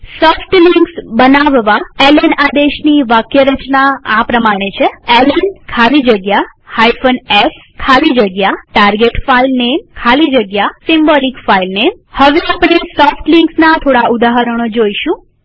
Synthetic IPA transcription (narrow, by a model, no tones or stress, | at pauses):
sɔfʈliŋksbənaʋʋaelənad̪eʃniʋakjəɾət͡ʃnaapɾəmaɽ̃et͡ʃʰeelənkʰalid͡ʒəɡjahajfənes | kʰalid͡ʒəɡjaʈaɾɡeʈfailnemkʰalid͡ʒəɡjasimbɔlikfailnem | həʋeapəɳ̃esɔfʈliŋksnat̪ʰoɽaud̪aɦəɾəɽ̃od͡ʒoiʃũ